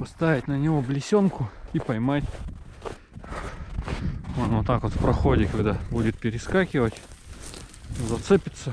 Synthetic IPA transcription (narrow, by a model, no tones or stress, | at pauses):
pɐst̪avʲɪtʲnənʲɪvoblʲɪsʲonkʊipɐjmatʲ | ot̪not̪akot̪fpɾɐxodʲɪkɐɡd̪abudʲɪt̪̚pʲɪɾʲɪskakʲɪvətʲ | zɐt̪sɨpʲɪt̪sə